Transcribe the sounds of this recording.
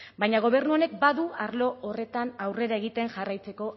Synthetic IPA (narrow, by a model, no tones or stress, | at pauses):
bajɲaɣ̞o̞β̞e̞ɾnuone̞k̚baðuaɾlo̞ʔːre̞t̪anawre̞ɾae̞ɣ̞it̪e̞ŋʝarajt͡se̞ko̞